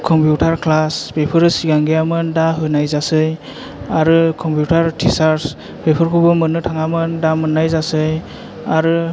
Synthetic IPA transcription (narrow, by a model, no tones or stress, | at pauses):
kʰɔmpʰjutʰaɾkʰlaspepʰɯɾɯsiɡaŋɡejamɯndaɦɯnajzasɯj | aɾɯkʰɔmpʰjutʰaɾtʰisaɾs | pepʰɯɾkʰɯbɯmɯnɯtʰaŋamɯndamɯnːajzasɯj | aɾɯ